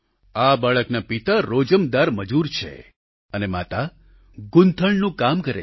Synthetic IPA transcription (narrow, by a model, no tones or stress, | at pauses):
abaɭəknapit̪aɾod͡ʒəmd̪aɾməd͡ʒuɾt͡ʃʰḛ | ənema̰t̪a | ɡʊ̃nt̪ʰəɭnũkamkəɾḛ